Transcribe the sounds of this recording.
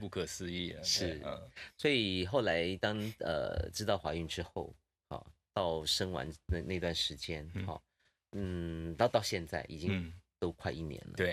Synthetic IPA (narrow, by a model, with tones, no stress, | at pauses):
pu˥˩kʰɤ˨˩sɹ̩˥˧i˥˩ʂɻ̩˥˩swɔ˧˥i˨˩xo˥˩ʊla˧˥ɪt̪ɑ˥ŋə̰˧ʈ͡ʂɻ̩˥t̪ɑ˥˩ʊxwa˧˥y˥˩ŋʈ͡ʂɻ̩˥xo˥˩ʊ | xɑ̰˥˧˩t̪ɑ˥˩ʊʂə˥ŋwa̰˧˥nn˧na˥˩ɪ˧t̪wa˥˩nʂɻ̩˧˥t͡ɕjɛ˥nxɑ̰˥˩ | n̩˥˩t̪ɑ˥˧ʊt̪ɑ˥˧ʊɕjɛ˥˧nt͡sa˥˩ɪʔi˨˩t͡ɕi˥ŋt̪o˥ʊkʰwa˥˧ɪi˥˩njɛ̰˧˥nlə̰˦e˥˩